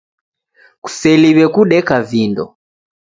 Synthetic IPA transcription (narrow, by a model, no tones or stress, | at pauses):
ku̥sɛliβɛkuɗɛkavindɔ̰